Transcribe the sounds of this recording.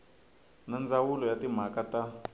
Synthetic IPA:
nand͡zawulɔjatim̤akata

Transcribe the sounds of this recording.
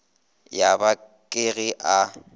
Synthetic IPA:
jaba | kʼɪɣɪʔa

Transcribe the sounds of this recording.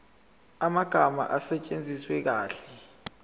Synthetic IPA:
amaɡ̥ʱama̰ʔasɛt͡ʃʼend͡zʱiswɛk̬aːɬɛ̥

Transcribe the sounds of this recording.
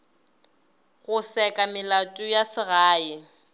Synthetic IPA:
ɣʊsɛkʼamɪlatʼʊjasɪɣaːɪ

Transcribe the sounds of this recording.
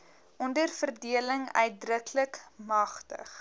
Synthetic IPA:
ʔɔndərfərdiələŋœ̰ɥt̚drəkləkmɐχtə̰χ

